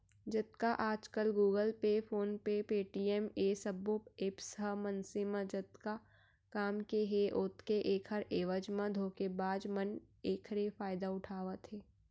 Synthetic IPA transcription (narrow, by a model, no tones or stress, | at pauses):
d͡ʒət̪kaʔaːd͡ʒkəlɡuːɡəlpefoːnpepeːʈiɛmesəbopeːpsɦəmənsɪmãd͡ʒət̪ka | kaːmkeɦeʔʊt̪keʔeːkʰəɾeːʋəd͡ʒmãd̪ʱoːkebaːd͡ʒmən | eːkʰɾefaːɪd̪aʊʈʰaːʋət̪ɦeː